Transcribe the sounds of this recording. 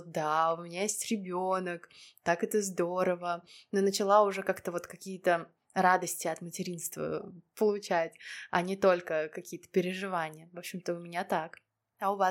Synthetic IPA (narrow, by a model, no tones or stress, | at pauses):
t̪̚d̪aʊmʲɪnʲajesʲtʲɾʲɪbʲo̞nəkt̪akɛt̪əzd̪oɾəvənonət͡ɕɪlˠaʊʐɛkakt̪əvo̞t̪kɐkʲijət̪ə | ɾad̪əsʲtʲɪɐt̪mətʲɪɾʲinst̪və̰pəlˠʊt͡ɕætʲɐ̰nʲɪt̪o̞lʲkəkɐkʲijət̪ə̥pʲɪɾʲɪʐɨvanʲɪjəvopɕːɪmt̪əʊmʲɪnʲat̪ak | ɐʊva